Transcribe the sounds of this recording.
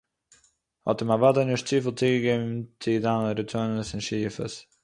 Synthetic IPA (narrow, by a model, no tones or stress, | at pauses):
hɔ̰təmavadənɪʃtt͡siːfəl̩ˠt͡siːɡəɡevnnt͡sʰidanəɾət͡sʰːnəsɪnʃiːfə̰s